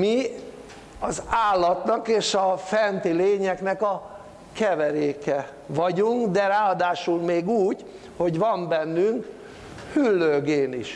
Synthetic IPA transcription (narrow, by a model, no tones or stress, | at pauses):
mi | ɒzaːlːɒt̪nɒkeːʃɒfɛnt̪ileːɲɛknɛkɒ | kɛvɛɾeːkɛ | vɒɟuŋkd̪ɛɾaːɒd̪aːʃulmeːɡuːɟ | ho̞ɟʋɒmbɛnːyŋk | hylːøːɡeːnḭʃ